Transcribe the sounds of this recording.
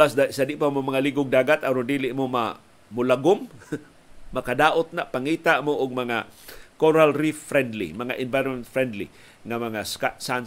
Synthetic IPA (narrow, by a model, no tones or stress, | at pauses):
asd̪asadɪʔpamomaŋaliɡʊɡ̚d̪aːɡat̪ʔaɾʊnd̪iːlɪʔmoma̰ | mʊlaɡʊmː | akadaːʔʊt̪̚naʔpaŋiːt̪aʔmoʔʊɡ̚maŋakoɾalɾiffɾɛnd̪lḭmaŋaʔɪnvajɾmɛnt̪fɾɛnd̪lḭ | ŋamaŋasasan